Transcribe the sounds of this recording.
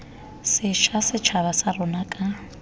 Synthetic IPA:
sɪʃasɪt͡ʃʰaβasarʊnakʼa

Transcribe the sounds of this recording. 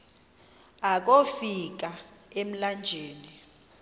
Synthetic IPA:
ak̬ofik̬aem̩land͡ʒʱeːni

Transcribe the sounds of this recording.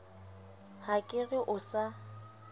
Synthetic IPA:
hakʼɪrɪʔʊsa

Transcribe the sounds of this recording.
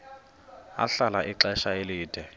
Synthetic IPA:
a̰ɬalaʔiǁɛʃaeliːd̥ʱɛ

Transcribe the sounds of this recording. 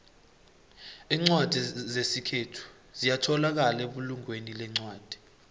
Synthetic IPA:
iːŋ͡ǀwad̥ʱizesikʰetʰu̥ | zijatʰɔlak̬aleɓuluŋwenilɛŋ͡ǀwaːd̥ʱi̥

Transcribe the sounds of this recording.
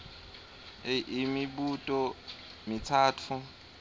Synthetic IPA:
ʔimibutʼɔ | mitʰaːtʰu

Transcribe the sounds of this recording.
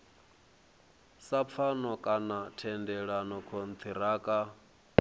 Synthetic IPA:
sap̪fʰanɔkʼanatʰɛndɛɺanɔkʰont̪ʰiɾaːkʼa

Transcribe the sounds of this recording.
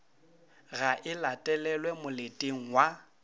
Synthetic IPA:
ɣaʔɪlatʼɛlɛlwɛmʊletʼeŋ̩wa

